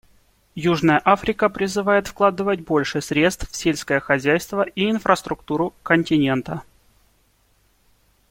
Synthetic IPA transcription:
juʐnəjəʔafɾʲɪkəpɾʲɪzɨvajɪt̪fklˠad̪ɨvət̚ʲbo̞lʲʂɨsɾʲe̞t̪st̪ffsʲelʲsʲkəjəxɐzʲæjst̪vəʔiɪnfɾəst̪ɾʊkt̪uɾʊkənʲtʲɪnʲe̞nt̪ə

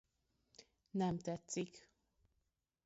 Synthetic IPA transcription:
nɛmt̪ɛt̪sik

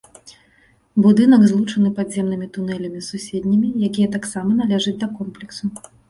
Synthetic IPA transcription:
bud̪ɨn̪ɐɡzlˠut͡ʂɐnɨpadzʲɛmnɨmʲit̪unɛlʲɐmʲisusʲed̪ʲnʲɐmʲijakʲijɐt̪aksamɐnalʲɛʐɨt͡sʲd̪ɐkɔmplʲɛksu

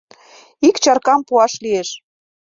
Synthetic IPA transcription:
ikt͡ɕɑrkɑmpuɑʃlieʃ

